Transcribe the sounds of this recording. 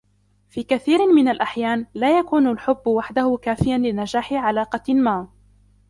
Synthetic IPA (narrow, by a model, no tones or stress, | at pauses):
fiːkaθiːɾmɪnalʔaħjaːnlaːjakuːnalħʊbːwaħd̪ahʊkaːfɪjanlɪnad͡ʒaːħɪʕalaːqɑmaː